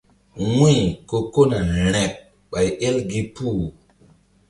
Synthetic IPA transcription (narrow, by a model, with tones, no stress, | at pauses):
wĩ˦˨ko˨ko˦na˨ɾɛ˨k̚ | ɓa˨je˦lɡi˦pu˦˨